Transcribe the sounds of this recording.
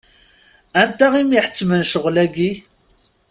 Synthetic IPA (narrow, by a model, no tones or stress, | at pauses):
ænt̪æʁimjiħə̥t͡sːmənʃəʁlæɡi